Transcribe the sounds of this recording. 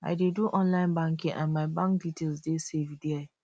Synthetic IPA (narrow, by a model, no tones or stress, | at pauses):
a̰ɪdeduʔɔ̃nlãɪ̃nbãŋkĩʔã̰nmaɪbãŋkditʰelsdesevdea